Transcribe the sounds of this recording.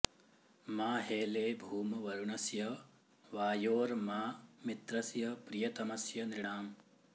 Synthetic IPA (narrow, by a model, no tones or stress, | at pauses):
maːɦeːleːbʱuːmɐʋɐɾuɳɐsjɐ | ʋaːjoːɾmaːmit̪ɾɐsjɐpɾijɐt̪ɐmɐsjɐnɾiɳaːm